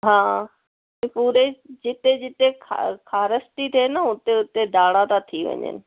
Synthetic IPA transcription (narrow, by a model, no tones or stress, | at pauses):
ɦãː | ĩpuːɾed͡ʑɪt̪ed͡ʑɪt̪ekʰa̰kʰaːɾəst̪it̪ʰenəʊt̪eʊt̪ed̪aːɽat̪at̪ʰiʋɐ̰ɲə̰nɪ̆